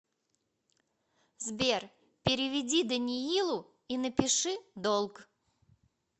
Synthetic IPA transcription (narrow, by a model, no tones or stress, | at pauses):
zbʲer | pʲɪɾʲɪvʲɪdʲid̪ənʲiilˠʊ | inəpʲɪʂɨd̪olˠk